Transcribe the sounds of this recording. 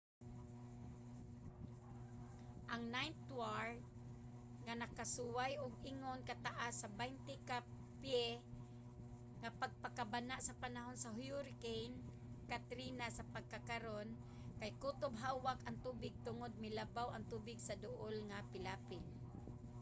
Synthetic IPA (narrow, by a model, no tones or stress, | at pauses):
ʔaŋnajnt̪waɹ | ŋanakasuwajʔʊɡɪŋonkat̪aʔasːabajnt̪ɪka | pjɛ | ŋapaɡ̚pakabanaʔsapanaɦonsaɦjʊɾɪkejn | kat̪ɾinasapaɡ̚kakaɾon | kajkut̪ʊbɦawakaŋt̪uːbɪɡ̚t̪ʊŋod̪̚mɪlabawaŋt̪uːbɪɡsad̪ʊʔolŋapɪlaːpɪn